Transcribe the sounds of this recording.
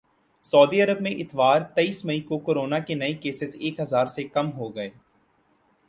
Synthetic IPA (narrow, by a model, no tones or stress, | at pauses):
sɔːd̪iəɾəbmẽʔɪt̪ʋaːɾt̪ɐiːsmɐikokoːɾoːnakenɐikeːsɪseːkɦɐzaːɾsekɐmɦoɡɐeː